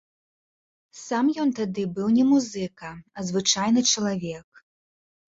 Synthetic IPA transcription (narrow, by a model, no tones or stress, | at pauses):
samjɔnt̪ad̪ɨbɨwnʲɛmuzɨkɐɐzvɨt͡ʂajnɨt͡ʂɐlˠavʲɛk